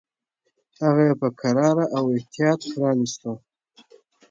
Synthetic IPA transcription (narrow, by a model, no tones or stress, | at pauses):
haɣajepəkʰaɾɑɾaʔawɪht̪ijɑt̪̚pɾɑnist̪ə